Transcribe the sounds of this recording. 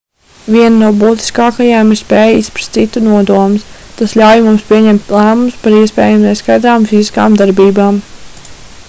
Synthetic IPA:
vʲiɛnnuɔbuːt̪i̥skɑːkajaːmiɾspeːjispɾḁst̪sit̪unuɔd̪uɔmɪst̪asʎʲawjmumspʲiɛɲɛmt̪ʲlˠæːmumspaɾiɛspɛːjamnɛskajd̪ɾaːmfiziskaːmd̪aɾbiːbaːm

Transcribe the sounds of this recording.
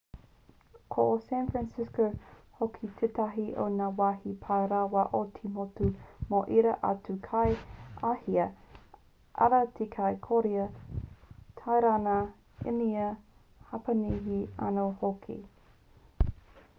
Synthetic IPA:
kʰoʔosɛnfɹænsɪskohokʰitʰetɐɦiʔo̰naːwahipʰajɾawɐʔotʰimotumoʔiɾɐʔɐ̰tukʰajahiə | ʔɐ̰ɾɐtʰekʰajkʰoɾiə | tʰajɾana | ḛniə | hɐpɐniɦiɐ̰nohokʰḭ

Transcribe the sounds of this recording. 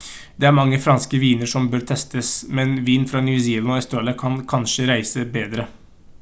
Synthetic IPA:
d̪̥ɛæɾmɑŋːəfɾɑnskəʋiːnəɾʂɔmbøːɾt̪ʰɛst̪əsmɛnʋiːnfɾɑːnjʉːsiːlɑnɔɛst̪ɾoːləkʰɑnkʰɑnʂəɾæɪsəbeːd̪ɾə

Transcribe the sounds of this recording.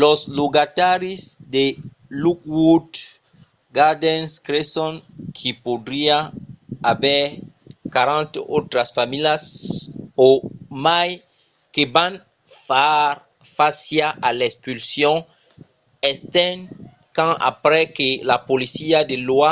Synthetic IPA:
losloɡat̪aɾisd̪e | luk̚wud̪ | ɡaɾd̪ɛ̃nskɾesõnkʰipod̪ɾiaabɛɾ | kaɾãnt̪ot̪ɾasfamiljas | omaj | keban | faaɾ | fasjaʔalespylsjɔ̃ | est̪ɛ̃ŋ | kãa̰pɾɛkelapolisiad̪elua

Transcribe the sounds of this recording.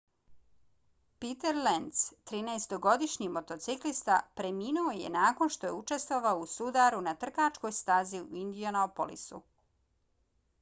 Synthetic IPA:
pit̪eɾlent̪st̪ɾiːnaest̪oɡo̞d̪iʃɲimo̞t̪o̞t̪siklist̪apɾemiːnuo̞jḛnaːko̞nʃt̪o̞je̞ut͡ʃe̞st̪ʋoʋaousud̪aɾunat̪r̩kat͡ʃko̞jst̪aːziṵind̪ionoopo̰lḭsṵ

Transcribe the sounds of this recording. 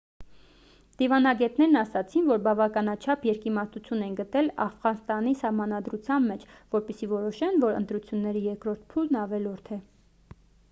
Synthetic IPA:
d̪̥ivɑnɑɡɛt̪nɛɾnɑsɑt͡sʰinvɔɾbɑvɑkɑnɑt͡ʃʰɑpʰjɛɾkimɑɾt̪ut͡sʰjunɛinɡət̪ɛlɑ̰fʁɑnst̪ɑnisɑhmɑnɑd̪ɾut͡sʰjɑnmɛt͡ʃʰvɔɾpɛsivɔɾɔʃɛnvɔɾə̰nt̪ɾut͡sʰjunːɛɾijɛɾkɾɔɾt̪̚ʰpʰulnɑvɛlɔɾt̪ʰɛ

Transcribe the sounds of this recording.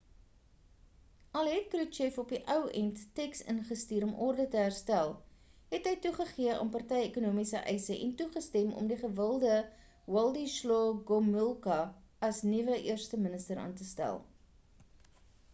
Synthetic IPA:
ɐlˠɦɛt̚kruʃɛfɔpiʔœwɛnttɛksə̰nχəstiːɾɔmʔɔrdətəɦæːrstælˠɦɛtɦəjtuχəχiəʔə̰mpɐrtɛjekunuəmisəʔɛjsəʔɛ̰ntuχəstɛmɔ̰mdiχəvəlˠdə | wɐlˠdiʃlɔɡɔməlˠkɐɐsnivəʔiərstəmənəstəɾɑ̰ːntəstæ̰lˠ

